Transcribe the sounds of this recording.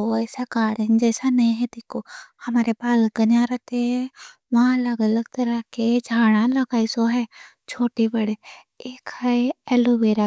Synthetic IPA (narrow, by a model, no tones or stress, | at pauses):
oɛːsakaːɽənd͡ʒɛːsanɐĩɦɛd̪eːkʰohɐmaːɾepaːlɡənãɾət̪eɦɛ̃ | ʋɐãɐləɡələɡt̪ɐɾəked͡ʒʱaːɽ̃ãləɡaːisoɦɛː | t͡ʃʰoːʈibəɽe | eːkəeɛlobeːɾa